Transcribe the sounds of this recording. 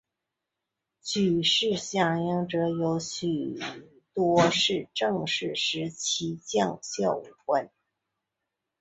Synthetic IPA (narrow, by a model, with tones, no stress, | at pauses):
t͡ɕʰy˨˩ʂɻ̩˥˧ɕjɑ˥˩ŋjɑ˥ŋʈ͡ʂɤ˧˥jo˧˥ʊɕy˨˩ | t̪wɔ˥ʂɻ̩˥˧ʈ͡ʂɤ˥˧ŋʂɻ̩˥˩ʂɻ̩˧˥t͡ɕʰi˧˥t͡ɕjɑ˥˧ŋɕjɑ˥˩ʊ˨˩xwə˥˩n